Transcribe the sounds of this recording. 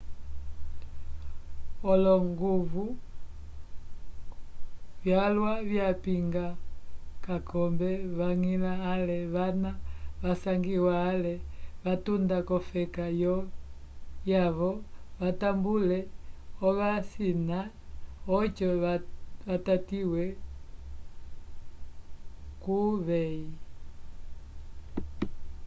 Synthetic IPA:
ɔlɔŋɡuvu | vjalwaβjapiŋɡakakɔmbɛβaŋilaːlɛβanaβasaŋɡiwaːlɛβatundakɔfɛkajɔ | jaβɔβatambulɛɔβasina | ɔt͡ʃɔβatatiwɛ | kuβɛi

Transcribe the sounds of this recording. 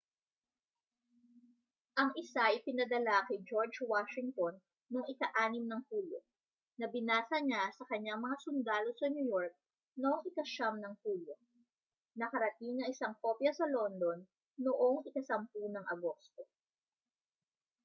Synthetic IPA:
ʔɐŋʔɪsajpɪnɐd̪ɐlakɐjd͡ʒoɹd͡ʒwaʃɪŋt̪onː | oŋɪkɐʔaːnɪmnɐŋpuːlo̰ | nɐbɪnaːsɐɲasɐkɐɲːaŋmɐŋasʊnd̪aːlo̞sɐɲujoɹk̚ | noʔoŋʔɪkɐʃamnɐŋpuːlo̞ | nɐkɐɾɐt̪iŋnɐŋɪsɐŋko̞pjɐsɐlo̞nd̪o̞nː | oʔoŋʔɪkɐsɐmpunɐŋʔɐɡo̞st̪o̞

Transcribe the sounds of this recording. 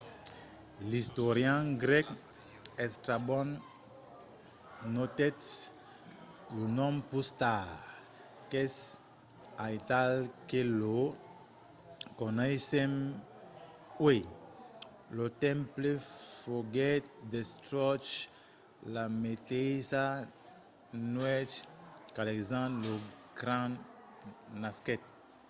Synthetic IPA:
list̪oɾjãɡɾɛk | ɛst̪ɾabɔ̃n | not̪ɛts | unɔ̃mpust̪a | kɛs | ajt̪alkelo | konesem | we | lot̪ɛ̃mplefoɡɛt̪̚d̪est̪ɾɔt͡ʃ | lametesa | nwɛt͡ʃkalekzãlo | ɡɾã | naskɛt̪̚

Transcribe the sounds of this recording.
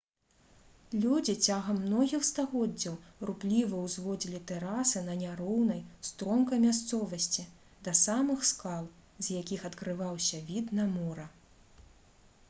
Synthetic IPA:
lʲud͡zʲit͡sʲaɣɐmːnɔɣʲixst̪aɣɔd͡zʲːɐwruplʲivɐwzvɔd͡zʲilʲit̪ɛɾasɨnɐnʲaɾɔwnɐjst̪ɾɔmkɐjmʲas̬t̪sɔvɐsʲt͡sʲi | d̪ɐsamɨxskalˠ | zjakʲixɐt̪kɾɨvawsʲɐvʲid̪nɐmɔɾɐ

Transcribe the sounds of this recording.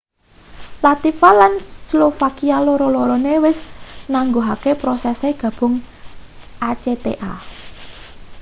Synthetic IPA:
lat̪ifalanslofakialoɾɔloɾɔnewɪsnaŋɡoɦakepɾɔsɛseɡ̥ä̤b̥ʊ̤ŋ | ʔat͡ʃet̪ḛʔa̰

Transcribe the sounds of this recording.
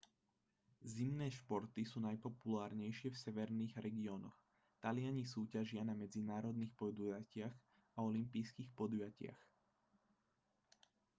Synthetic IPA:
zimnɛːʃpɔɾt̪isuːnajpɔpulaːɾɲɛjʃɪɛfsɛʋɛɾniːɣɾɛɡiɔːnɔx | t̪alɪaɲisuːcaʒɪanamɛd͡zinaːɾɔd̪niːxpɔd̪ujacɪaɣ | aɔlimpijskixpɔd̪ujacɪa̰x

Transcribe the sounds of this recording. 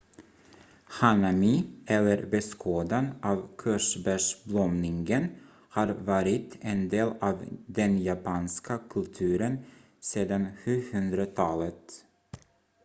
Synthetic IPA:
hanamiʔɛlːəɾbɛskʰoːd̪anɑːvkʰœʂbæʂblɔmnɪŋɡən | hɑːɾvɑːɾɪt̪ɛnd̪eːlɑːvd̪ɛnjapʰɑːnskakʰɵlt̪ʰʉ̟ːɾən | seːd̪anɧʉ̟ːhɵnd̪ɾat̪ʰɑːlət̪

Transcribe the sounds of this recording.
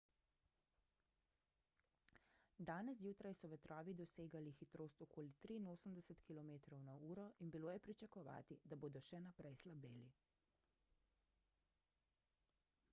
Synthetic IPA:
d̪aːnɛs̬juːt̪ɾajsɔʋɛt̪ɾɔːʋid̪ɔseːɡalixit̪ɾoːst̪ɔkoːlit̪ɾiːnoːsəmd̪ɛsət̪kilɔmeːt̪ɾɔwnauːɾɔinbiloːjɛpɾit͡ʃakɔʋa̰ːt̪id̪aboːd̪ɔʃɛnapɾɛjslabeːli

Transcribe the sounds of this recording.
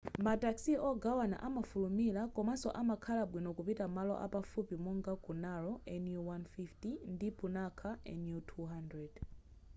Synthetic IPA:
mataksiʔɔɡawana̰ʔamafulumilakɔmasɔʔamakʰalaɓwinɔkupitamalɔ̰ʔa̰pafupimɔŋɡakunaɹɔʔɛnjuwanfiftindipʰunakʰaʔɛ̰njutʰuɦandɹɛd̥

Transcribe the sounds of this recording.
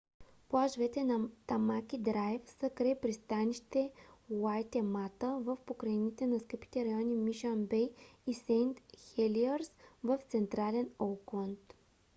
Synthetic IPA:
plˠaʒvɛt̪ɛnt̪ɐmakʲid̪ɾajɛfsəkɾɛɛpɾist̪aniʃt̪ɛwajt̪ɛmat̪əvəfpokɾɐinit̪ɛnɐskəpi̥t̪ɛɾɐjɔnimiʃanbɛjisɛnt̪xɛliəɾsvəft̪sɛnt̪ɾalɛnolkˠənt̪

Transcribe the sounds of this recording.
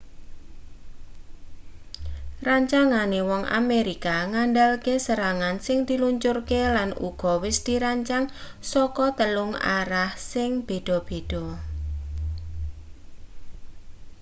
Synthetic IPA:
raɲt͡ʃaŋanewɔŋʔa̰meɾikaŋaɳɖalkesəɾaŋansɪŋd̪̥i̤luɲt͡ʃʊrkelanṵɡ̥ɔ̤wɪsd̪̥iɾaɲt͡ʃaŋ | sɔkɔt̪əlʊŋa̰ɾahsɪŋb̥e̤d̪̥ɔ̤b̥e̤d̥ɔ̤

